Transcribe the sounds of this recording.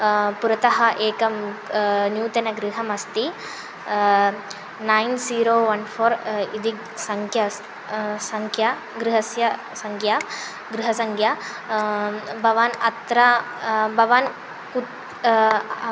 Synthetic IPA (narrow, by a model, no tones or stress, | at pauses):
puɾɐt̪ɐɦɐʔeːkɐm | njuːt̪ɐnɐɡɾiɦɐmɐst̪i | najnsiːɾoːʋɐnfʰoːɾid̪i | sɐŋkʰjɐ | sɐŋkʰja | ɡɾɪɦɐsjɐ | sɐŋkʰjaː | ɡɾɪɦɐsɐŋkʰja | bʱɐʋaːnɐt̪ɾɐ | bʱɐʋaːn | ku